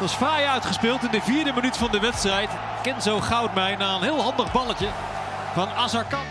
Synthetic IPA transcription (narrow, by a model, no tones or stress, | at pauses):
tɑsfraːjœɥtχəspɪːlˠtɪndəviːɹdəmənytəfɑndəʋɛtstrɛjt | kɛnzowχɑwt̚mɛjnaːənɦɪːlˠɦɑndəχbɑləcə | vɑnaːzɑɹkɑ